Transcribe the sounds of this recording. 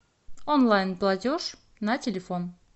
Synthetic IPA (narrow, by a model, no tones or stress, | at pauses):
onlˠajnplˠatʲoʐ | natʲelʲefon